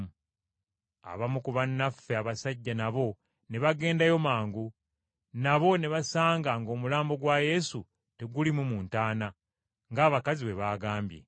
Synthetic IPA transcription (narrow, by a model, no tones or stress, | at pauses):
a̰βamukuβanːafːeaβasaɟːanaβo̞ | ne̞βaɡe̞ːndajo̞maːŋɡu | naβo̞ne̞βasaːŋɡaŋɡo̞ːmulaːmbo̞ɡwaje̞su | te̞ɡulimumuːntaːna | ŋɡaːβakaziβe̞βaːɡaːmbje̞̰